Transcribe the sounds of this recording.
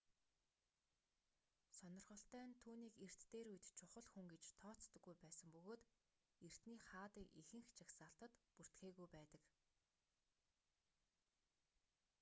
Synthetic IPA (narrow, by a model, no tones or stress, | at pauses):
sɔnɞ̆rχɞ̆ɬt̪æːnt̪ʰuːniːker̥t̪ːeːɾujt̪t͡ɕʰʊχɞ̆ɮxuŋɡet͡ɕt̪ʰɔːt͡st̪ə̆ɡːujpæːsə̆mpɵɣoːt̪ | er̥t̪niːχaːt̪iːkixɘ̆ŋxt͡ɕʰaksaːɬt̪ə̆t̪pur̥t̪xeːɣujpæːt̪ə̆k